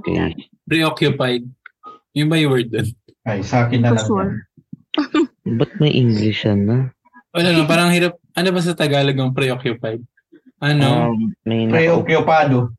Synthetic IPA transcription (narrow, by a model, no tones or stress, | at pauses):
kɛ̰ | pɾiʔokjʊpajd̪̚jʊŋbɐjwɛɹd̪̚ːon | ʔajsɐaːkɪnːɐlɐ | bɐt̪̚mɐjʔiŋɡlɪʃɐnɐ | ʔɐlamɐp̬aːɾɐŋhɪɾap̚ʔɐnobɐs̬ɐt̪ɐɡaːlɐɡɐŋpɾɛʔokjʊpajd̪̚ | ʔɐnomɐjnpɾɛʔokjʊpaːd̪o